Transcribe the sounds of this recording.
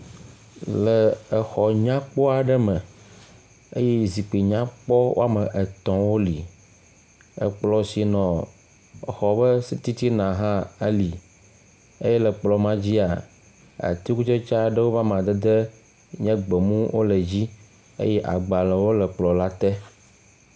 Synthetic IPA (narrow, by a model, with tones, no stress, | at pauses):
ləː˨xɔ˨ɲã˦k͡pɔ˦a˨ɖɛ˦mə̃˨ | ḛ˦jɛ˦zi˨k͡pi˨ɲã˦k͡pɔ˦wo̰˦a˦mə˨ʔe˨t̪ɔ̃˦wo˦li˨ | ə̰˦k͡plɔ˦si˨nɔ̃˨ | ə˨xɔ˨bə˦si˦t̪i˦t̪i˦nã˨ɦã˦e˦li˨ | e˦jɛ˦lɛ˨k͡plɔ˨mã˦d͡ʑi˦a˨ | a̰˨t̪i˦ku˦t͡ʃe˦t͡ʃa˦ɖə˦wo˦va˦mã˨d̪ɛ˦d̪e˦ | ɲɛ̃˦ɡ͡bɛ˨mũ˦wʔo˦le˨d͡ʑi˦ | ḛ˦jɛ˦ʔa̰˨ɡ͡ba˨lə˨wo˦lə˨k͡plɔ˨la˦t̪ɛ˦